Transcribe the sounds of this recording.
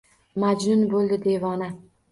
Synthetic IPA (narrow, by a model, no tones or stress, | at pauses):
mad͡ʒnʊnbolˠd̪ɪd̪e̞vɒna